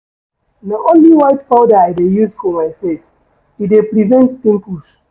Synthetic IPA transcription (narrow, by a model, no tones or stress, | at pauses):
naʔõnliwaɪtpaʊdaaɪdejuzfɔmaɪfes | idepɾivɛ̃nttĩmpus